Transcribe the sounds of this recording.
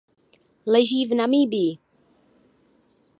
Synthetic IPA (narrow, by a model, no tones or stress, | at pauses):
lɛʒiːvnamiːbiː